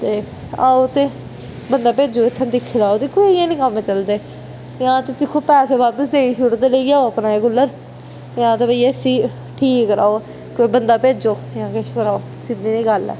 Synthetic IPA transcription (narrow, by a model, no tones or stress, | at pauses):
t̪eː | aːoːt̪eː | bənd̪aːpeːd͡ʒoːɪt̪ʰːə̃ːd̪ɪkʰːlaːoːt̪eːkoːijãːnĩːkəmet͡ʃəld̪eː | jãːt̪eːt͡ʃɪkʰːoːpɛːseːʋaːpəsd̪eːiːʃʊʈd̪eːleːɡjaːoəpnaːekʊlːəɾ | jãːt̪eːpəiːesiː | ʈʰiːkkɾa̰ːo | koiːbənd̪aːpeːd͡ʒoːjãːkeʃkəɾaːoː | sɪd̪iːnĩːɡəlɛ̰ː